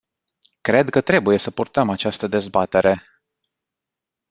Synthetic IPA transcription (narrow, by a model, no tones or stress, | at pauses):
kɾe̞d̪kət̪ɾe̞buje̞səpurt̪əmat͡ʃast̪əd̪e̞zbat̪e̞ɾe̞